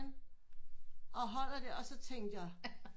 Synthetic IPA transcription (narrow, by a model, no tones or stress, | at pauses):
n | ɒ̽ɦɒ̽l̰ɐd̥e̝ɒ̽sɒ̽t͡sʰeŋ̰d̥jɑ̈